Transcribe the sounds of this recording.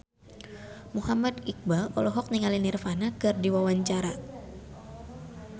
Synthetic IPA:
muhamadik̚balɔ̰lɔɦɔk̚niŋalinirfanakɨrdiwawaɲt͡ʃaɾa

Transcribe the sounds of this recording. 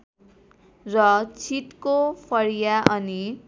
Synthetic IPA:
rʌt͡sʰit̪kopʰʌɾjaʔʌni

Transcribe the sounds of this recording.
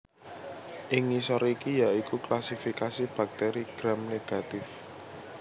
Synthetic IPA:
ʔɪŋːisɔɾikijaikuklasifikasib̥a̤k̚t̪eɾiɡ̥ɾamneɡ̥a̤t̪ɪf

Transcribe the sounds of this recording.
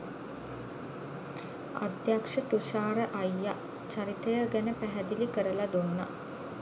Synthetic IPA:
a̰d̪jakʂət̪uʃaːɾəʔajːa | t͡ʃaɾit̪əjəɡænəpæɦæd̪ilikəɾəlad̪onːa̰

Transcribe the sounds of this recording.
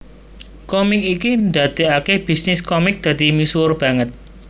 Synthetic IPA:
kɔmɪk̚ikind̪ad̪̥e̤akehb̥i̤snɪskɔmɪk̚d̪̥ä̤d̪̥imisurb̥a̤ŋət̪̚

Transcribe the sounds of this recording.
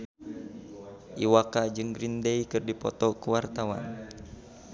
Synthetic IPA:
ʔiwakad͡ʒɨŋɡɾindejkɨrdipɔt̪ɔkəwart̪awa̰n

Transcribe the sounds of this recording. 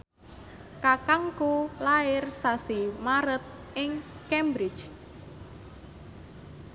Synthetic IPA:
kakaŋkulaɪrsasimaɾət̪̚ | ʔɪŋkɛmbɾɪ̥t͡ʃ

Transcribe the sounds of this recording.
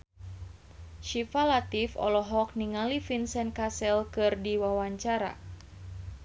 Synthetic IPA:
ʃifalat̪ifɔ̰lɔɦɔk̚niŋalifinsɛn̚kasɛlkɨrdiwawaɲt͡ʃaɾa̰

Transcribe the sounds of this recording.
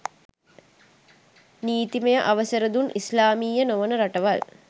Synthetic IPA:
niːt̪imejəʔaʋəsəɾəd̪unʔislaːmiːjənoʋənəɾaʈəʋal

